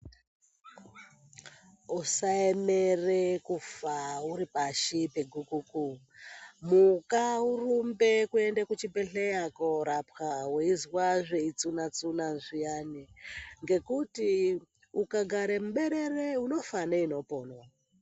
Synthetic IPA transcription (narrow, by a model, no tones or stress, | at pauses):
usaemerekufauɾipaʃipeɡʱukuku | mukaurumbekue̞ndekut͡ʃibʱeɬejakoɾapxaweizwaʐeit͡sunat͡sunanʐijaniŋɡe̞kuti | ukaɡʱaɾemuɓeɾe̞reuno̞faneino̞po̞ːnwa